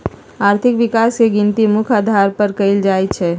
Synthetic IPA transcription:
aːɾt̪ʰɪkʋɪkaːskeɡɪ̃nt̪imʊkʰaːd̪ʱaːɾpəɾkəɪld͡ʒaːit͡ʃʰɛː

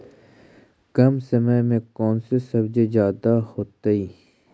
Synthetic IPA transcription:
kɐmsɐməmẽkɔːnsesɐbd͡ʒezjaːd̪ahoːt̪aiː

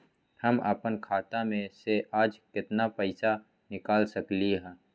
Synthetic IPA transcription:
hɐmə̰pənkʰaːt̪amẽseʔaːd͡ʒkɪt̪napɛɪsa | nɪkaːlsɐkliɦɛ̃ː

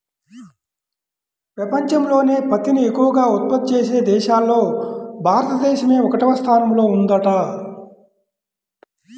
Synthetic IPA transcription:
pɾɐpɐɲt͡ʃɐmlo̞ːne̞ːpɐt̪iniekːuʋɐɡaːut̪̚pɐd̪̚t͡ʃeːse̞ːd̪ɛːʃaːlːo̞ːbʱaːɾɐt̪ɐd̪ɛːʃɐme̞ːɔkɐʈɐʋɐst̪ʰaːnɐmlo̞ːund̪ɐʈa

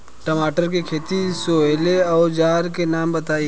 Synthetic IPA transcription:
ʈɐmaːʈəɾkekʰeːt̪isoːeːleɔːɾd͡ʒaːɾkenaːmbɐt̪aːi

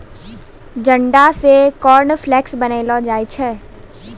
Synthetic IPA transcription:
d͡ʒɐ̃ɳɖasekɔːɾnflɛːksbɐneːlɔd͡ʒaːit͡ʃʰɛː

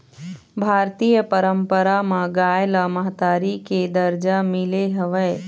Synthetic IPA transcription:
bʱaːɾt̪ijəpəɾəmpəɾamãɡajlaməɦt̪aːɾiked̪əɾd͡ʒamɪleɦəʋəj

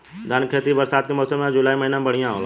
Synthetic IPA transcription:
d̪ʱənkʰeːt̪ibəɾsaːd̪kemɔːsəmãd͡ʒʊlaːiməɦinabəɽ̤ijãɦo̰ːl

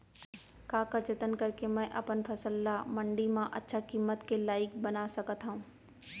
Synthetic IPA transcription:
kaːkət͡ʃət̪ənkɐɾkemɛ̃ːʔɐpənpʰɐsəlːamɐ̃ɳɖimãʔɐ̰tːʃʰakiːmːət̪kelaːɪkbənasɐkət̪ɦaũː

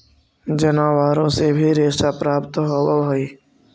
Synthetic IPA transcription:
d͡ʒənaːʋaːɾõsebʱiɾeːʃapɾaːpt̪ɦowaoiː

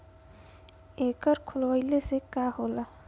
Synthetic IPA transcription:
eːkəɾkʰʊlʋəɪlesekahoːla

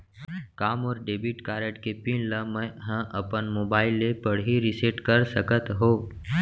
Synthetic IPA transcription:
kaːmɔːɾɖeːbiʈkaːɾəʈkepiːnləmə̃ɦãʔɐpənmoːbaːɪlːepɐɽɦiɾɪseʈkɐɾsəkət̪ɦoː

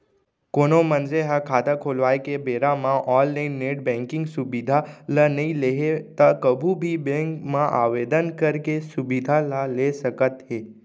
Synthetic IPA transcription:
koːnomənd͡ʒeɦakʰaːd̪akʰoːlʋaːekebeːɾãmãʔɔːlːaɪnːeːʈ̚bɛ̃ːŋkɪ̃ŋɡsʊbid̪ʱalənɐĩleɦet̪əkəbʱubʱibẽŋkmãʔa̰ːʋeːd̪ənkəɾkesubid̪ʱalalesəkət̪ɦeː

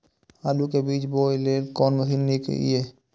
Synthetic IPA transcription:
aːlukebiːt͡ʃboːjleːlkɔːnməsiːnːikḛḭeː

